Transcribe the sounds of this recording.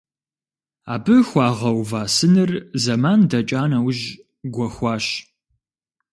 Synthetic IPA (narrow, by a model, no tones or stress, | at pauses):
aːbɨxʷɑːʁɐwvaːsɨnɨrzɐmaːndɐt͡ʃʼaːnɐwʒ | ɡʷɔxʷɑːɕ